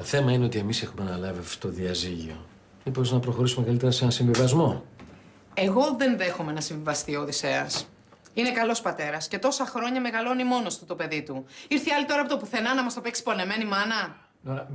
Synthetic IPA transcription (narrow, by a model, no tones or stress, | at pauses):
t̪oθe̞mɐineo̞t̪ie̞mise̞xumenɐlɐviɐfo̥t̪oðiɐziʝio̰ | mipo̞znɐpɾo̞xo̞ɾisumekɐlit̪eɾɐse̞nɐnsĩɱvivɐzmo̞ | e̞ɣo̞ðe̞nðe̞xomenɐsĩɱvivɐst̪ioðise̞ɐs | ine̞kɐlo̞spɐt̪e̞ɾɐsce̞t̪o̞sɐxɾo̞ɲɐme̞ɣɐlo̞nimo̞noɐst̪ot̪o̞pe̞ðit̪uiɾθiɐlit̪o̞ɾɐpot̪opuθe̞nɐnɐmɐst̪o̞peksi̥po̞le̞me̞nimɐnɐ